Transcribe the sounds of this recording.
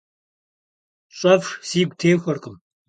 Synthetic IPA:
ɕʼɐfʂsiːɡʷtʰeːxʷɔrqʼəm

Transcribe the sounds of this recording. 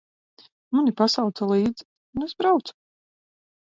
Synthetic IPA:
munipasawt̪salˠiːd̪z | unesbɾawt̪su̥

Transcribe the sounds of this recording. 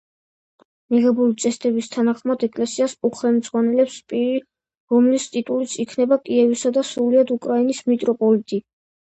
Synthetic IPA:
miʁɛbulit̪sʼɛst̪ʼɛbist̪ʰanaχmad̪ɛkʼlɛsiasuχɛlmd̪zʼʁwanɛlɛpspʼiɾi | ɾɔmlist̪ʼit̪ʼulit̪sʰikʰnɛbakʼiɛvisad̪asɾuliad̪ukʼɾainismit̪ʼɾɔpʼɔlit̪ʼi

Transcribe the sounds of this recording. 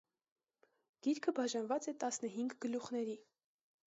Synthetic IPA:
ɡ̥iɾkʰəbɑʒɑnvɑt͡sɛt̪ɑsnəɦiŋɡɡəluχnɛɾi

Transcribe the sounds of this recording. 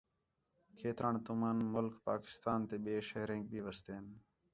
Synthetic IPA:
kʰeːt̪ɾaːɳt̪ʊmanmʊlkpaːkɪ̥st̪aːnt̪eːɓeːʃəɦɾẽːk̚bʱiːʋəst̪eːn

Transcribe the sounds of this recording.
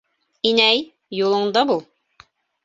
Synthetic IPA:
inæj | julˠɤ̆ɴd̪ɑbulˠ

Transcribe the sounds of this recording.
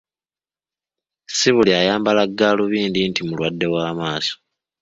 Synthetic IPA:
siβuliajaːmbalaɡːaːluβiːndintʰimulwadːe̞waːmaːso̥

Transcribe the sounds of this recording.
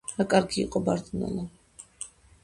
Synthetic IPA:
ɾakʼaɾɡiːqʼɔbaɾd̪na̰la

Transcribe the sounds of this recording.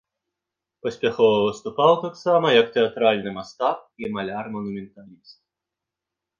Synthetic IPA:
pɐsʲpʲaxɔvɐvɨst̪upawt̪aksamɐjɐkt̪ɛat̪ɾalʲnɨmast̪ap̚imɐlʲarmɔnumʲɛnt̪alʲist̪̚

